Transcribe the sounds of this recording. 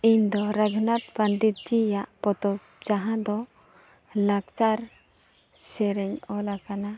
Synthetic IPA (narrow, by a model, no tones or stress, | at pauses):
iɲd̪ɔɾaɡʱnat̪̚band̪it̪̚d͡ʒijaʔpɔt̪ɔp | d͡ʒaɦãd̪ɔ | laɡt͡ʃaɾ | sɛɾɛɲɔlakana